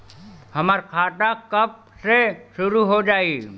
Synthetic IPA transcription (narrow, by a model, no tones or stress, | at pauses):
hɐmaɾkʰaːʈakəp̚seʃʊɾuɦod͡ʒaːi